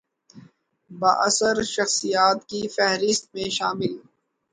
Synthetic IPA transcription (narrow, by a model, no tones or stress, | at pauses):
ba̰ːʔɐsəɾʃɐxsijaːt̪kifɛɦɾɪst̪̚mẽʃaːmɪl